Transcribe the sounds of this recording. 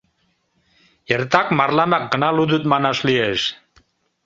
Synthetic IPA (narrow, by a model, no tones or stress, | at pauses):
ert̪ɑkmɑrlɑmɑk̚ɡənɑlud̪ut̪̚mɑnɑʃlieʃ